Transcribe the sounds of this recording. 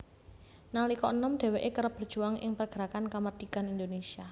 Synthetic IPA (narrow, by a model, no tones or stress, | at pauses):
nalikɔənɔmɖ̥e̤weʔekəɾəpb̥ərd̥ʒ̥uaŋʔɪ̰ŋpərɡ̥əɾakankamard̪̥i̤kanind̪onesia